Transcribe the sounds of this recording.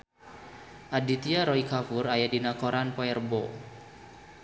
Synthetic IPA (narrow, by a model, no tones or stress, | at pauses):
ʔadit̪iaɾɔikafʊrajadinakoɾanpɔɛrbɔ